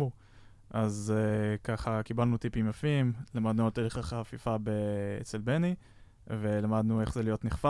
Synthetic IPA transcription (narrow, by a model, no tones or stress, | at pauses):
u | ʔazkaχakibalnut̪ipimjafimlamad̪nuat̪eliχaχafifabeḛt͡selbeni | ve̞lamad̪nueχzelijo̞t̪niχfa